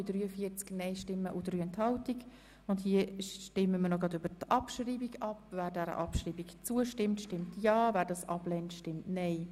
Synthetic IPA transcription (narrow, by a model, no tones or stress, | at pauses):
id̥ɾyːəfiət͡sknɛɪʃtɪmːəʔud̥ɾyːɛnthɑʊtik | ʊndhiətɪmːəmənɔɡɑdʏb̥əɾtʔɑpʃriːbiɡɑpvæːɾdɛɾə̰ʔɑpʃriːbikt͡suəʃtɪmtʃtɪmtʰjɑːvæːɾdɑsʔɑblɛntʃtɪmtnɛɪ